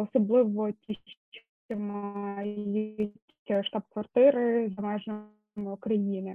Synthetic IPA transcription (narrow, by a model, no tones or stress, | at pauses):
ɔsɔblˠɪʋɔtʲi | ɔmɑjutʲʃt̪ɑb̚kʋɐrt̪ɪɾɪzɐmɛʒnɔ | mɪukɾɐjinɪ